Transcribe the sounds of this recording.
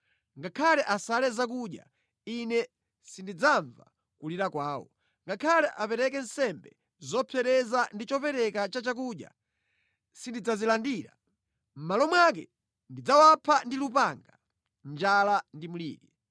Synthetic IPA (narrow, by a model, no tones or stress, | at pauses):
ŋɡakʰalɛʔasalɛzak̬uɗja̰ | inɛ | sindid͡zaɱva̰ | kuliɾakwaːwɔ̰ | ŋɡakʰalɛʔapɛɾɛk̬ɛn̩sɛmbɛ | zɔpʰjɛɾɛzandit͡ʃɔpɛɾɛkat͡ʃat͡ʃak̬uɗja̰ | sindid͡zazilandiːɾa̰ | m̩malɔmwakɛ̰ | ndid͡zawapʰandilupaŋɡa | nd͡ʒalandimulḭːɗi